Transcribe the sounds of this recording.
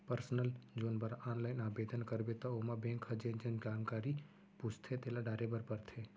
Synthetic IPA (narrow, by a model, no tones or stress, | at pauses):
pəɾsnəld͡ʒoːnbəɾaːnlaːɪnaːbeːd̪ʱənkəɾbet̪ɐomabẽːŋkʰɐd͡ʒẽnd͡ʒẽnkaːmkaːɾi | put͡ʃʰt̪ʰet̪eːlaɖaːɾebəɾpəɾt̪ʰe